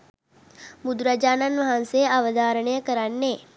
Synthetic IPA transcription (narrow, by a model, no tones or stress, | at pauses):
mud̪ɾad͡ʒaːnanʋaɦansejaʋəd̪aːɾəɳəjəkəɾanːeː